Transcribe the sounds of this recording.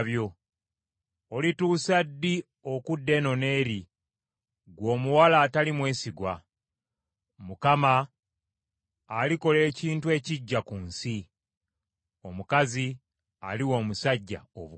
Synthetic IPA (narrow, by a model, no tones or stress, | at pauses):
βjo̞ | olituːsadːi | o̞kudːe̞no̞ne̞ːɾi | ɡwo̞ːmuwalaːtalimwe̞ːsiɡwa | mukama | liko̞le̞ːciːntue̞ːciɟːakuːnsi | o̞mukazi | a̰liwo̞ːmusaɟːa̰o̰βu